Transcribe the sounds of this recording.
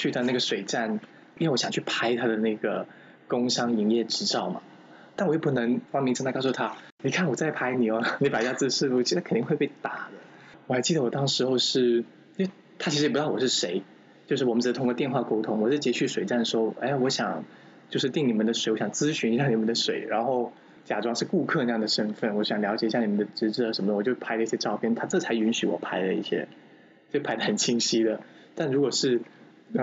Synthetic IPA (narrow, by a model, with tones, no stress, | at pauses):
t͡ɕʰy˥˩a˥˧˦na˥˩ɡə˩ʂwe˨˩ɪʈ͡ʂa˥˩n | i˥wwɔ˧ɕjɑ˨ŋt͡ɕʰy˥˩pʰa˥ɪt̪ʰa˥d̪ə˨na˥˩ɪɡə˩ | kʊ˥ŋʂɑ˥ŋi˧˥ŋjɛ˥˩ʈ͡ʂɻ̩˧˥ʈ͡ʂɑ˥˩ʊma̰˩ | t̪a˥˩nwɔ˧˦jo˥˩pu˥˩nɤ˧˥ŋfɑ˥mi˧˥ŋʈ͡ʂə˥nt̪ksu˥˩t̪ʰa˥ | ni˨˩kʰa˥˩nwɔ˨˩t͡sa˥ɪpʰa˥ɪni˨˩ɔ˧˦ni˧˥pa˨˩ja˥t͡sɹ̩˥˧ʂɻ̩˥˧fu˥˩t͡ɕʰi˥˩˥kʰə˨˩nt̪i˥˧xe˥˧ɪpe˥˩ɪt̪a˨˩˦d̪ə˦ | wɔ˨˩xa˧˥ɪt͡ɕi˥˩ə˩wɔ˨˩t̪ɑ˥ŋʂɻ̩˧˥xo˥˧ʊʂɻ̩˥˩˥ | t̪ʰa˥t͡ɕʰi˧ʂɻ̩˧˨˩pu˧˥t̪ɑ˥˩wɔ˨˩ʂɻ̩˥˩ʂe˧˥ɪ | t͡ɕjo˥˧ʊʂɻ̩˥˩˨mə˦nʈ͡ʂ̩̪˨˩ə˧t̪ʰʊ˥ŋkɔ˧t̪jnxwa˥˧˩ko˥ʊt̪ʰʊ˧˥ŋwɔ˨˩ʂɻ̩˥˩t͡ɕjɛ˥t͡ɕʰy˥˩ʂwe˨˩ɪʈ͡ʂa˥˩nə˩ʂ̩o˥o˥˩ʔe˥˩ɪwɔ˧˥ɕjɑ˨˩ŋ | t͡ɕjo˥˧ʊʂɻ̩˥˧t̪i˥˩ŋni˨˩mə˦nd̪ə˧ʂ̬we˧˥ɪwɔ˧˥ɕjɑ˨˩ŋt͡sɹ̩˥ɕy˧˥ni˧˥jɑ˥˩ni˨˩mə˦nd̪ə˧ʂwe˨˩ɪɻa˧˥nxo˥˩ʊ | t͡ɕja˨˩ʈ͡ʂwɑ˥ŋʂɻ̩˥˧ku˥˧kʰɤ˥˧nɤ˧jɑ˥˩d̪ə˩ʂə˥nfə˥˩nwɔ˧˥ɕjɑ˨˩ŋljɑ˧˥t͡ɕɛ˨˩i˥ɕja˥˩ni˨˩mə˦nd̪ə˧ʈ͡ʂɻ̩˧˥ʈ͡ʂɻ̩˥˩ə˧˩ʂə˧˥mə˧d̪əwɔ˨˩t͡ɕjo˥˩pʰa˥ɪlə˧i˥˩ɕjɛ˥ʈ͡ʂɑ˥˧ʊpʰjɛ˥nt̪ʰa˥ʈ͡ʂɤ˥˩t͡sʰa˧˥ɪy˧˥nɕy˧˥wɔ̰˨˩pʰa˧˥ɪlə˧i˥˩ɕjɛ̰˥ | o˥˩˥pʰa˧˥ɪd̪ə˧˩ə˨˩nt͡ɕʰi˥ŋɕi˥d̪ə˨ | t̪a˥˩nɻu˧˥kwɔ˨˩ʂɻ̩˥˩˧